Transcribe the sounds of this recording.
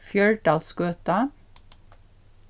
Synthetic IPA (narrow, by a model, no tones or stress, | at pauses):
fjœɹɖɑːlskøːt̪ɑ